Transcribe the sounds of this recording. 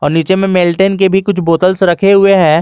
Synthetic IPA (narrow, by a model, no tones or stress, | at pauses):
ɔːɾniːt͡ʃemẽmeːlʈenkebʱikʊt͡ʃʰboːt̪əlsɾɐkʰeɦʊeɦɛː